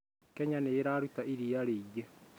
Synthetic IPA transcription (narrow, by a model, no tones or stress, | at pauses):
kɛɲaneːɾaːɾutaiɾiaɾeiɡe